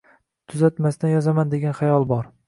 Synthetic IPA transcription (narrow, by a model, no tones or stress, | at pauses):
t̪ʰʊzat̪mast̪anjɒzamand̪e̞ɡʲanχajɒlˠbɒɾ